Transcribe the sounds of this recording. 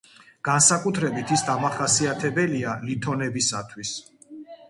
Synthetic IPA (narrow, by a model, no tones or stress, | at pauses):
ɡ̥ansakʼut̪ʰɾɛbit̪ʰisd̪amaχasiat̪ʰɛbɛlialit̪ʰɔnɛbisat̪ʰwis